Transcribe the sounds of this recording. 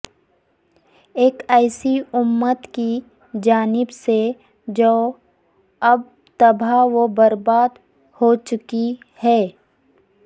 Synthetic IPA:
eːkɛːɪsiʊmːət̪ki | d͡ʒaːnɪbse | d͡ʒoː | ɐb̚ | t̪ɐbʱaʋobɐɾbaːd̪ | hot͡ʃʊki | hɛː

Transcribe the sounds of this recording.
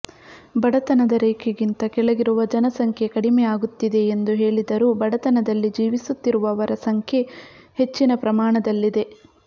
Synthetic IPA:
bɐɽɐt̪ɐnɐd̪ɐɾeːkʰeɡint̪ɐkɛɭɐɡiɾuʋɐd͡ʒɐnɐsɐŋkʰje̞kɐɽimɛjaːɡut̪ːid̪e̞ːnd̪uɦe̞ːɭid̪ɐɾuːbɐɽɐt̪ɐnɐd̪ɐlːid͡ʒiːʋisut̪ːiɾuʋɐːʋɐɾɐsɐŋkʰje̞ | he̞t͡ʃːinɐpɾɐmaːɳɐd̪ɐlːid̪e̞

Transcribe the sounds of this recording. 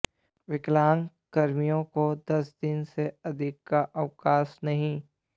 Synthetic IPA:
ʋɪklaːn | kɐɾmijõkod̪ɐsd̪ɪnseɐd̪ʱɪkːaʔɐʋkaːsnɐɦĩ

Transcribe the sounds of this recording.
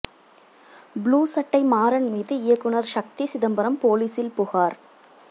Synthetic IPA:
bluːsɐʈːɐɪmaːɾɐɳmiːðɯɪjɐkːɯɳɐɾʃɐk̚t̪isɪðɐmbɐɾɐmpoːliːsɪlpʊɣaːɾ

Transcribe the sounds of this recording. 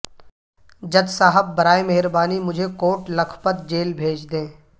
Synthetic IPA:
d͡ʒɐd̪saːɦəbːɐɾaːemeɦɪɾbaːnimʊd͡ʒʱekoːʈlɐkʰpət̪̚d͡ʒeːlbʱeːt͡ʃd̪ẽː

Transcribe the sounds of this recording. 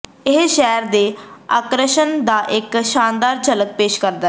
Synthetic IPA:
ɪɦʃɛːɾd̪ea̰ːkɾəʃənd̪aːʔɪkʃaːnd̪aːɾt͡ʃələk̚peːʃkəɾd̪a

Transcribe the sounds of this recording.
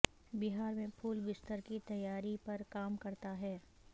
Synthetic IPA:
bɪɦaːɾmẽpʰuːlbɪst̪əɾkit̪ɐjːaːɾipɐɾkaːmkɐɾt̪aɦɛː

